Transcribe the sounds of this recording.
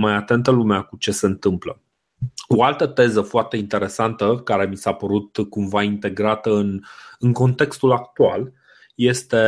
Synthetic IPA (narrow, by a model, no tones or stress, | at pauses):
majat̪e̞nt̪əlumeakut͡ʃe̞se̞ɨnt̪ɨmplə | oalt̪ət̪e̞zəfoart̪e̞int̪e̞ɾe̞sant̪əkaɾe̞misapəɾut̪kumvaint̪e̞ɡɾat̪əɨnɨŋko̞nt̪e̞kst̪ulakt̪ual | je̞st̪e̞